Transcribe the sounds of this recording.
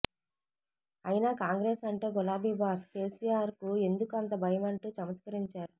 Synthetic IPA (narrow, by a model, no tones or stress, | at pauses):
ɐjinaːkaːŋɡɾe̞ːsɐɳʈe̞ːɡɔlaːbiːbaːske̞ːsijaːɾkue̞nd̪ukɐnt̪ɐbʱɐjɐmɐɳʈuːt͡ʃɐmɐt̪kɐɾiɲt͡ʃaːɾu